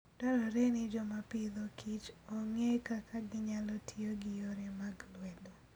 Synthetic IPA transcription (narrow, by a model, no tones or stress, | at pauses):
d̥ɔɾɔɾenɪd͡ʒɔmapɪd̪ɔkʰit͡ʃɔŋekakʰaɡɪɲalɔtʰioɡɪjoɾemaɡlwɛdo